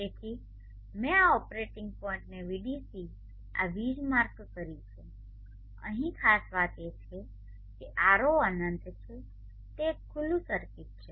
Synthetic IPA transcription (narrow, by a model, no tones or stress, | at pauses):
ekʰi | mẽaɔpɾeʈɪŋɡ̚pɔɪ̃ɳʈneʋiɖisi | a̰ʋid͡ʒmaɾkkəɾjũt͡ʃʰũ | ə̰ɦĩkʰasʋat̪et͡ʃʰe | keʔaɾoənənt̪t͡ʃʰe | t̪ekʰʊlːũsəɾkit̪̚t͡ʃʰe